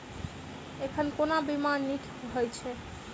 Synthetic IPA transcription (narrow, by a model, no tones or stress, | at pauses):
ekʰənkonabimanːik̪ʰɦojt͡ʃʰɛ